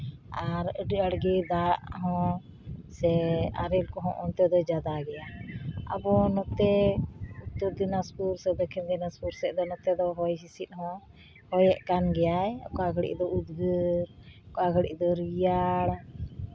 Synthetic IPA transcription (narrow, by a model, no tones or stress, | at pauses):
aɾəɖəɽɡɛd̪aʔɦɔ̃ | sɛa̰ɾɛlkɔɦɔ̃ʔɔnt̪ɛd̪ɔd͡ʒad̪aɡɛjaa̰bɔnɔt̪ɛut̪ːɔɾd̪inaspuɾsɛd̪ɔkʰind̪inaspuɾsɛʔd̪ɔnɔt̪ɛd̪ɔɦɔjɦisit̪̚ɦɔ̃ | hɔjɛʔkanɡɛjajkaɡʱəɽḭʔd̪ɔud̪ɡəɾkaɡəɽḭʔd̪ɔɾijaɽ